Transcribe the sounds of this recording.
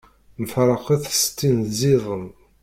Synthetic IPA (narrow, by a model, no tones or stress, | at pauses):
məfɾˤəqaθst̪ːinziðˤəm